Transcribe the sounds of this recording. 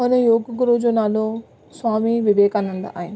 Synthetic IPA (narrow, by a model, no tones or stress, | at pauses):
ɐnejoːɡɐk̬uɾoːd͡ʒunaːlo | sʋaːmiʋiʋɛːkaːnɐnd̪ɐ̰ʔaːjɐnɐ